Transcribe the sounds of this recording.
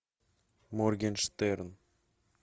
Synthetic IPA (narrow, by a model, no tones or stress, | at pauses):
morɡʲenʃt̪eɾn